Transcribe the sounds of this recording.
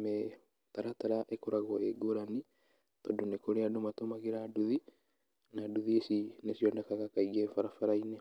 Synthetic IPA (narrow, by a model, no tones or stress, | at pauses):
mɛ | t̪aɾataɾaʔekoɾaɣwɔeɡoɾani | t̪ɔdonekoɾeadomatomaɣeɾaduði | naːduðiesinesiɔndɛkaɣakaiɣɛfaɾafaɾainɛ